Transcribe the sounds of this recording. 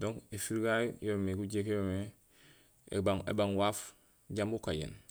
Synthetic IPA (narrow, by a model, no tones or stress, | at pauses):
dõŋkefiɾɡajjomekuɟekjome | ḛbaŋḛbaŋwaːf | ɟambukajḛn